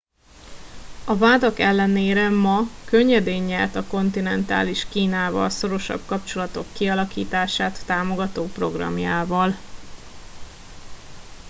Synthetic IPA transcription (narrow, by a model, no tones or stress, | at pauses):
ɒvaːd̪ɒkɛlːɛneːɾɛmɒkø̞ɲːɛd̪eːɲːɛrt̪ɒko̞nt̪inɛnt̪a̰ːliʃkiːnaːvɒ̰lso̞ɾo̞ʃɒ̰b̥̚kɒp̚t͡ʃo̞lɒt̪o̞kːiɒlɒkḭːt̪aːʃaːt̪ːaːmo̞ɡɒt̪oːpro̞̰ɡrɒ̰mjaːvɒl